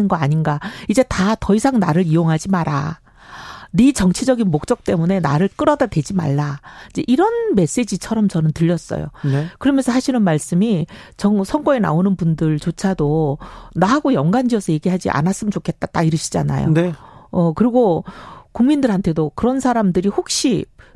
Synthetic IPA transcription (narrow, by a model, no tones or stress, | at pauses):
ɯnɡʌaɲinɡaid͡ʑe̞tatʌisʰaŋnaɾɯɾijoŋɦad͡ʑimaɾa̰ | nit͡ɕʌŋt͡ɕʰid͡ʑʌɡinmok̚t͡ɕ͈ʌk̚t͈e̞mune̞naɾɯɭk͈ɯɾʌdadwe̞d͡ʑima̰ɭːaid͡ʑe̞ʔiɾʌnme̞s͈e̞d͡ʑit͡ɕʰʌɾʌmt͡ɕʌnɯntɯʎːʌs͈ʌ̰jo̰kɯɾʌmjʌnsʰʌsʰaɕʰinɯnmaɭs͈ɯmi | t͡ɕʌŋsʰʌŋɡoe̞na̰onɯnbundɯɭt͡ɕot͡ɕʰadonaɦaɡojʌŋɡand͡ʑiʌsʰʌje̞ɡiɦad͡ʑiʔa̰nas͈ɯmt͡ɕokʰe̞t̚t͈at͈aiɾɯɕʰid͡ʑa̰na̰jo̰neʌkɯɾiɡokuŋmindɯɾɦantʰe̞dokɯɾʌnsʰaɾamdɯɾihok̚ɕ͈i